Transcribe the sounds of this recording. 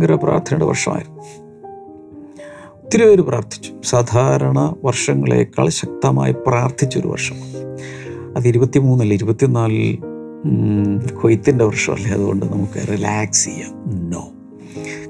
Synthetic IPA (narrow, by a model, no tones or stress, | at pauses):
ɡɐɾɐpra̰ːrt̪ʰɐnuɽḛʋɐ̰rʂɐma̰ːjɾnː | t̪ːiɾuʋoɾupraːrt̪ʰi̥t͡ɕːu̥saːd̪ʱaːɾɐɳɐʋɐrʂɐŋːɐɭḛkːa̰ːɭɕɐk̚t̪ɐma̰ːjipraːrt̪ʰit͡ɕːoɾṵʋɐ̰rʂɐ̥m | ɐðɨiɾubɐt̪ːimuːnːɐlːiɾubɐt̪ːinaːl | kʰojt̪ːindeʋɐrʂɐ̰mɐ̰lːeɐðuɣo̞ɳɖɨnɐmukːɨrilaːksijːano̰ː